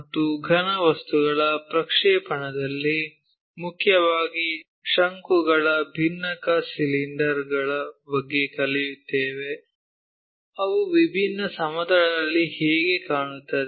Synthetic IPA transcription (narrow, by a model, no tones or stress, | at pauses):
mɐt̪ːuɡʱɐnɐʋɐst̪uɡɐɭɐpɾɐkʂɛːpɐɳɐd̪ɐlːi | mukʰjɐʋaːɡi | ʃɐŋkuɡɐɭɐbʱinːɐkɐsiliɳɖɐɾɡɐɭɐbɐɡːekɐlijut̪ːeːʋe | ɐʋuʋibʱinːɐsɐmɐd̪ɐɭɐɐlːihɛːɡekaːɳut̪ːɐd̪e